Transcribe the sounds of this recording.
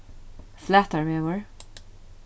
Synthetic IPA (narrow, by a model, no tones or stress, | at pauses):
flæt̪əɹmɛməɹ